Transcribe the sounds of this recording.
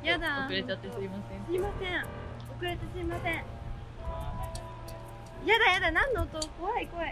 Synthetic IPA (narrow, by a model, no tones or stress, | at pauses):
jad̪aɯɾet͡ɕat̪ːesimasẽsɨimasẽ | okɯ̟ɾet̪esɨimasẽɴ̃ | jad̪ajad̪anãnːoːt̪oko̞βaiko̞βai